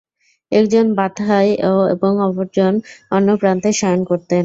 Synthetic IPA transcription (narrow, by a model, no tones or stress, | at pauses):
ɛkd͡ʑonbad̪ʱajoḛboŋɔpoɾd͡ʑonɔnːopɾant̪eʃankoɾt̪en